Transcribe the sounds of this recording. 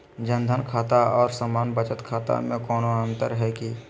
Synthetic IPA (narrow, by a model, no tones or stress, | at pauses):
d͡ʒənd̪ʱənkʰaːt̪aɔːɾsamaːnbət͡ʃət̪kʰaːt̪a̰mẽkɔːnoənt̪əɾɦɛːki